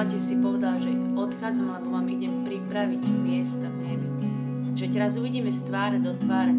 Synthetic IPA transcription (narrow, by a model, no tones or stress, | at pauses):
aciwsipɔʋɛd̪alʒɛɔt̪xaːd͡zamlamɔʋaːmiɟɛpɾipɾaʋiɟmɪɛst̪amɲɛmi | ʒ̥ɛt̪ɛɾazuʋiɟiːmɛst̪ʋaːɾaɟd̪ɔt̪ʋaːɾ